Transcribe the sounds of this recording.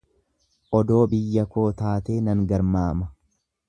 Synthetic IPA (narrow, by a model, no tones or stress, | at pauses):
ʔɔd̪o̞ːbɪjːɐko̞ːt̪aːt̪eːnɐŋɡɐɾmaːmɐ